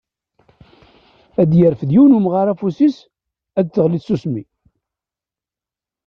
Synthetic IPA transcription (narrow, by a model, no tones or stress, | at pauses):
æd̪jəɾəfðjiwnumʁaɾæfusis | æd̪θəʁliθsusmi